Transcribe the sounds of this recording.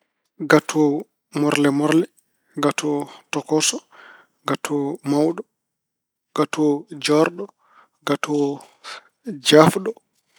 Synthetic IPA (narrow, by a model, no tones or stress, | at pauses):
ɡatʰɔ | mɔɾlɛmɔɾlɛ | ɡatʰɔtɔkɔsɔ | ɡatʰɔmawɗɔ | ɡ̥atʰɔd͡ʒɔɾɗɔ | ɡatʰɔ | d͡ʒafɗɔ